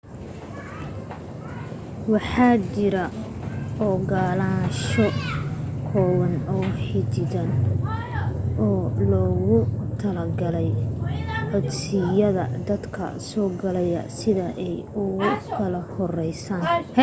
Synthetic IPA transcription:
wɑħɑːt͡ʃɪɾɐʔɔːɡaːlaːʃɔ | kʰɔːwɐnɔːħɪt͡ʃɪdɐn | ʔɔːlɔːɣʊt̪ʰɐlɐɡɐlɛj | ʕʊd̪sɪjɐðɐ̰d̪ɐd̪kʰɐ̰sɔːɡɐlɛjɐ̰sɪðɐʔɛjʊɣʊkʰɐlɐhɔrɛjsaːnh

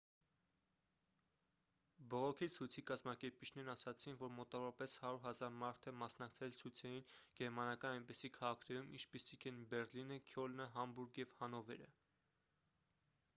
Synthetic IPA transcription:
bɔʁɔkʰit͡sʰujt͡sʰikɑzmɑkɛɾpit͡ʃʰnɛɾnɑsɑt͡sʰinvɔɾmɔt̪ɑvɔɾɑpɛshɑɾuɾɦɑzɑɾmɑɾt̪ʰɛmɑsnɑkt͡sʰɛlt͡sʰujt͡sʰɛjinɡ̥ɛɾmɑnɑkɑnɑjnpɛsikʰɑʁɑkʰnɛɾumʔint͡ʃʰpisikʰɛnbɛɾlinəkʰjɔlnəɦɑmbuɾɡjɛvhɑnɔvɛ̰ɾə̰

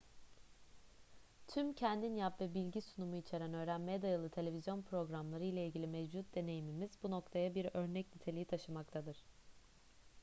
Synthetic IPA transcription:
t̪ʰymcʰɛnd̪injapvɛbilʲɟisunumuit͡ʃʰe̞ɾænø̞ːɾænmejɛd̪ajɯlˠɯt̪ʰe̞lʲe̞vʲizjo̞npʰɾo̞ɡɾamlˠaɾɯjlʲˠailʲɟʲilʲimɛvd͡ʒut̪̚d̪e̞ne̞jimimizbuno̞kt̪ʰajabiɾø̞ɾnɛcnʲit̪ʰelʲijit̪ʰaʃɯmak̚t̪ʰad̪ɯɾ̥

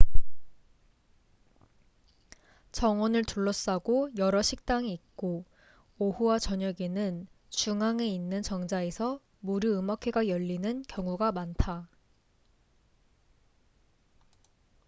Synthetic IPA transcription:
t͡ɕʌŋwʌnɯɭtuɭːʌs͈aɡojʌɾʌɕʰik̚t͈aŋiːk̚k͈o | ohuwat͡ɕʌɲʌɡenɯn | t͡ɕuŋaŋe̞inːɯnt͡ɕʌŋd͡ʑaesʰʌ | muɾɯɯmakʰeɡajʌʎːinɯnkjʌŋuɡamantʰa

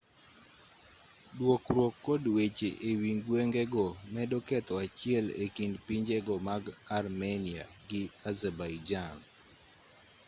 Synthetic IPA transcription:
dwokɾwokːodwet͡ʃeʔewiŋɡweŋɡɛɡɔmɛdɔkɛt̪ɔat͡ʃɪɛlḛkindpiɲd͡ʒeɡɔmaɡarmenia̰ | ɡɪazɛbajd͡ʒan

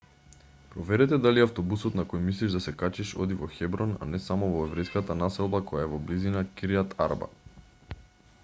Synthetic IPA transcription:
pɾɔvɛɾɛt̪ɛd̪aliaft̪ɔbusɔt̪nakɔjmisliʒd̪asɛkat͡ʃiʃɔ̰d̪ivɔxɛbɾɔna̰nɛsamɔvɔɛvɾɛjskat̪anasɛlˠbakɔjaɛvɔblizinakiɾiat̪ʰa̰ɾba̰

